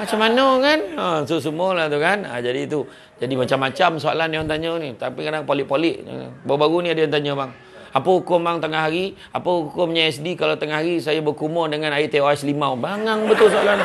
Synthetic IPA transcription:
mat͡ʃamanəkanəsus̬umolaht̪ukanə̰d͡ʒadit̪u | d͡ʒadimat͡ʃamːat͡ʃamsoa̰lanjant̪aɲənit̪apikadaŋpolɪʔ̚polɪʔbaubaɾuniadəjant̪aɲəbaŋ | apəukʊmbaŋt̪əŋaɦaɾi | a̰pəukʊmɲaɛsdikalat̪əŋahɦaɾisajabəkumɔrdəŋanait̪eoɛslimabaŋaŋbət̪ʊlsoalan

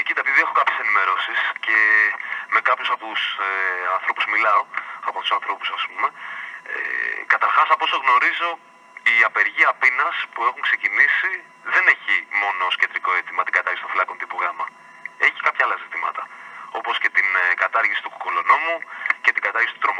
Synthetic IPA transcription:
ecit̪ɐpiðiexokɐpçe̞se̞nime̞ɾo̞sisce̞me̞kɐpçusɐpseɐnθɾo̞puzmilɐoɐpot̪u̥sɐ̃nθɾo̞pu̥sɐspume̞ḛkɐt̪ɐɾxɐsɐpo̞so̞ɣno̞ɾizo̞ | iɐpe̞ɾʝiɐpinɐspue̞xuŋkse̞cinisi | ðe̞ne̞çimo̞nooscend̪ɾiko̞et̪imɐt̪iŋɡɐt̪ɐɾʝist̪filɐko̞nt̪ipuɣɐmɐ | e̞çi̥kɐpçɐɐlɐzit̪imɐt̪ɐo̞po̞sce̞t̪inɡɐt̪ɐɾʝisi̥t̪uku̥kulono̞muce̞t̪iɡɐt̪ɐɾɣisit̪ut̪ɾom

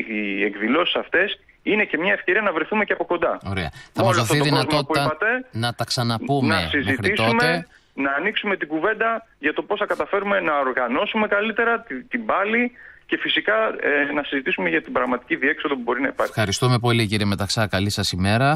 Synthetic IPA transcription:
iekðilo̞si̥sɐft̪e̞s | inece̞mɲɐe̞fceɾiɐnɐvɾeθumeceɐpo̞ko̞nd̪ɐo̞ɾeɐ̰θɐmɐzðoθθioðinɐt̪ot̪iɐɐt̪enɐt̪ɐksɐnɐpumnesizmeixɾiist̪omee | nɐːniksume̞t̪iɡuve̞nd̪ɐʝɐt̪o̞po̞sθɐkɐt̪ɐfe̞ɾume̞nɐoɾɣɐno̞sume̞kɐlit̪e̞ɾɐt̪t̪ibɐlice̞fisikɐenɐsizit̪isume̞ʝɐt̪ibɾɐɣmɐt̪i̥ciðie̞kso̞ðo̞pubo̞ɾinɐipɐ̰fxɐɾist̪ume̞p̬o̞liciɾieme̞t̪ɐksɐkɐlisɐsime̞ɾɐ

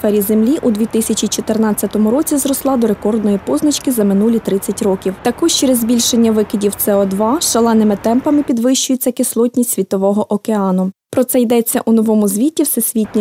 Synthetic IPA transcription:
fɛɾʲizemlʲiʔud̪ʋʲit̪ɪsʲɐt͡ʃit͡ʃɔt̪ɪrnɑt͡sʲːɐt̪ɔmʊɾɔt͡sʲizɾɔslˠɑd̪ɔɾe̞kɔrd̪nɔjipɔznɐt͡ʃkɪzɐmɪnulʲit̪ɾɪt͡sʲːɐtʲɾɔkʲiwt̪ɐkɔʒt͡ʃɛɾezbʲilʲʃenʲːɐʋɪkɪdʲiwt̪sɛɔd̪ʋɑʃɐlˠɑnɪmɪt̪ɛmpɐmɪpʲid̪ʋɪʃt͡ʃʊjet͡sʲːɐkɪslˠɔtʲnʲisʲʋʲit̪ɔʋɔɦɔʔɔkeɑnʊpɾɔt̪sɛjd̪ɛt͡sʲːɐ̰ʔunɔʋɔmʊzʲʋʲitʲːiwsɛsʲʋʲitʲnʲi

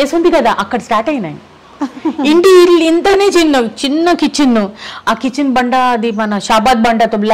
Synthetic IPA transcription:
eːsund̪ikɐd̪aːʔɐkːɐɽɐsʈaːɾʈɐjina̰ːj | iɳɖiilːint̪ɐneːt͡ʃinːɐt͡ʃinːɐkit͡ʃːinːuaːkit͡ʃːinbɐɳɖaːd̪imɐnɐʃaːbaːd̪̚bɐɳɖɐt̪ublː

